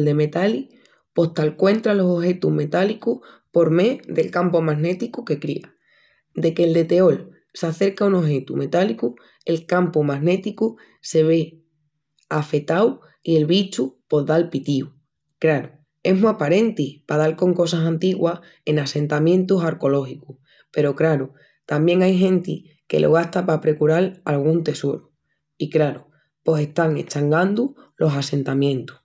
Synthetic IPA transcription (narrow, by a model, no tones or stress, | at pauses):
ld̪e̞me̞t̪ali | po̞ht̪alkwe̞nt̪ɾalo̞soɦe̞t̪uɦme̞t̪alikuh | po̞ɾme̞ðe̞lkampomaɦne̞t̪ikuke̞kɾḭa | d̪e̞keːld̪e̞t̪e̞o̞l | saθe̞ɾkauno̞ɦe̞t̪ume̞t̪aliku | e̞lkampumaɦne̞t̪iku | se̞βe̞ | afe̞t̪aw | ie̞lβit͡ʃupo̞ðalpit̪iu | kɾaɾu | e̞ɦmuapaɾe̞nt̪ipaðalko̞ŋko̞sasãnt̪iɣwa | e̞nase̞nt̪amjẽ̞nt̪usaɾko̞lo̞hikuh | pe̞ɾo̞kɾaɾu | t̪ambje̞ŋajɦẽ̞nt̪i | ke̞̰lʔoɣ̞aht̪apapɾe̞kuɾalalɣ̞unt̪e̞so̞ɾu | ikɾaɾu | po̞se̞ht̪aŋe̞̰t͡ʃaŋɡand̪ulʔo̞sase̞nt̪amjẽ̞nt̪u̥h